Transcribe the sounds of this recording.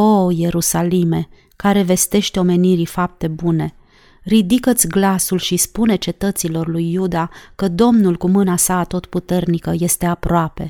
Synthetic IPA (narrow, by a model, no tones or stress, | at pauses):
o̞je̞ɾusalime̞ | kaɾe̞ve̞st̪e̞ʃt̪eo̞me̞niɾifap̚t̪e̞bune̞ | rid̪ikət̪sʲɡlasulʃispune̞t͡ʃe̞t̪ət̪silo̞rlujːud̪akəd̪o̞mnulkumɨnasaːt̪o̞t̪put̪e̞rnikəje̞st̪e̞apɾoape̞̰